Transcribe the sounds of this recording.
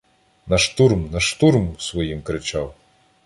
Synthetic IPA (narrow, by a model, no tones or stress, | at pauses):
nɐʃt̪urmnɐʃt̪uɾmsʋɔjimkɾɪt͡ʃɑw